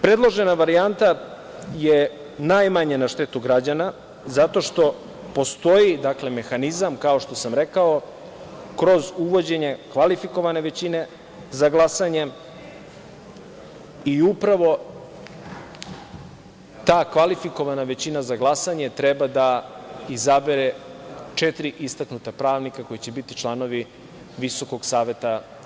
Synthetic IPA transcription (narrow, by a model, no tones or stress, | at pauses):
pɾed̪lˠo̞ʒe̞naʋaɾiant̪a | je | najmaɲenaʃt̪et̪uɡɾad͡ʑana | zat̪o̞ʃt̪o̞ | po̞st̪o̞jid̪akle̞me̞xanizamkao̞ʃt̪o̞samɾe̞kao̞ | kɾo̞zuʋo̞d͡ʑe̞ɲe̞kʋalifiko̞ʋane̞ʋe̞t͡ɕine̞ | zaɡlˠasaɲe̞ | iupɾaʋo̞ | t̪aːkʋalifiko̞ʋanaʋet͡ɕinazaɡlˠasaɲe̞t̪ɾebad̪aizabeɾe̞t͡ʃet̪ɾiʔist̪aknut̪apɾaːʋnikako̞jit͡ɕe̞bit̪it͡ʃlˠano̞ʋi | ʋiso̞ko̞ɡsaːʋe̞t̪a